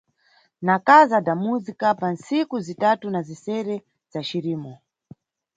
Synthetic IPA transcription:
nakazadamuzikapansikuzitatunazisɛɾɛ | z̥aʃiɾiːmɔ

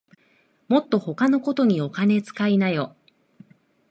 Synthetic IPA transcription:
mo̞t̪ːo̞ho̞kano̞ko̞t̪o̞ɲ̟io̞kane̞t͡sɨ̥kainajo̞

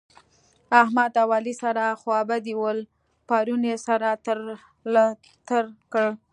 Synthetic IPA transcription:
ahmad̪awɑlisaɾaxwɑbad̪iwəl | pɑɾunesaɾat̪ɾ | t̪əɾkəɽ

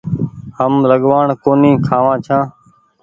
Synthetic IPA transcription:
həmləɠʋaːɳkoːnĩːkʰaːʋãːt͡ʃʰãː

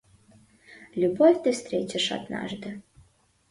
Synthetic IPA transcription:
lʲubofʲt̪ɨfst̪ɾʲet͡ɕəʂa̰d̪nɑ̰ʐd̪ə

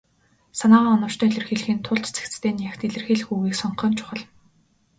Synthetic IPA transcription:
sanaːʁaːɔnɞ̆w̥t͡ɕt̪ʰœːiɮʲɘ̆rxiːɮxĭnt̪ʰʊɮt̪t͡sʰe̥kt͡st̪ʰeːnjaxʲt̪eɮɘ̆rxeːɮxuːɣiːksɔɴχɞ̆ːnt͡ɕʰʊ̥χə̆ɮ

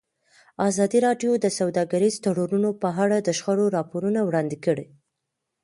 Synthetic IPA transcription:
ɑzɑd̪iɾɑɖjod̪əsawd̪ɑɡaɾizt̪aɽoɾunopəɦaɽad̪əʃxaɽoɾɑpoɾunawɽɑnd̪ɪkəɽi

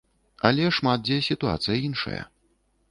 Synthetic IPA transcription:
ɐlʲɛʂmat̪̚d͡zʲɛsʲit̪ua̰t̪sɨjɐinʂɐ̰jɐ̰

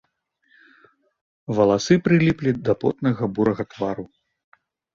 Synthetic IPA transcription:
vɐlˠasɨpɾɨlʲiplʲid̪ɐpɔ̰t̪nɐɣɐbuɾɐɣɐt̪vaɾu

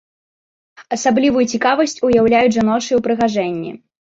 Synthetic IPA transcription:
ɐsablʲivujut͡sʲikavɐsʲt͡sʲujawlʲajud͡zʲʐanɔʂɨuwpɾɨɣaʐɛnʲːḭ

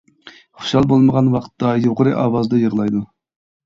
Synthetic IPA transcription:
χʊ̥ʃɑlˠbolˠməʁɑnwɑqt̪ːɑjoqəɾɨʔɑ̰ːwɑzd̪ɨjəʁlˠɑjd̪u

